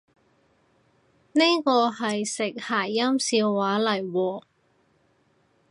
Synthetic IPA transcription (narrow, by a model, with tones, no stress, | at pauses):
ne˥jkɔː˧ɦɐ˨jsɪ˨k̚haː˨˩jːɐ˥msiː˧wːaː˨˥lɐ˨˩jwɔː˧